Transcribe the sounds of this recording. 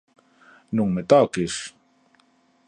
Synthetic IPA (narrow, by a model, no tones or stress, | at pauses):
nuŋmet̪akis